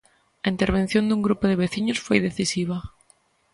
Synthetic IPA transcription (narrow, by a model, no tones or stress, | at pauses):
ɐint̪eɾβẽn̟θjõnd̪uŋɡɾupʊðɪβeθiɲosfojðeθisiβ̞ɐ